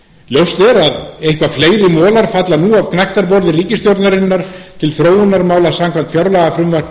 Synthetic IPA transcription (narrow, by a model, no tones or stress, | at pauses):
ljowst̪ɛɾaðejhkvafleːjɾɪmɔːlaɾ̥fat̪lanuːavkʰnajht̪aɾpɔɾðɪriːcɪst̪jowɾt̪naɾɪnːaɾ̥t̪ʰɪlθɾoːwʏnːaɾmaːwlasamkʰvam̥t̪fjaɾlaɣafɾʏnva